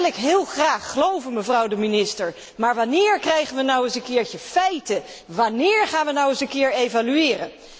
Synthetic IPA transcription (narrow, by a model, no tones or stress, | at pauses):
lɪkɦɪːlˠχraːχːəlowvənməvrʌwdəminɪstəɹ | maːɹʋanɪːɹkrɛjχənʋənɔwənsənkɪːɹtəfɛjtə | ʋanɪːɹχaːnʋənɔwəzənkɪːɹejvalyɪːrən